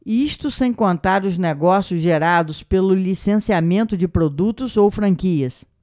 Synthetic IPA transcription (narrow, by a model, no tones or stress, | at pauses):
iʃt̪ʊsẽj̃kõnt̪aɾʊzneɡɔsjʊzʒeɾad̪ʊspelʊlisẽsiamẽnt̪ʊd͡ʒɪpɾod̪ut̪ʊzowfɾɐ̃kiɐs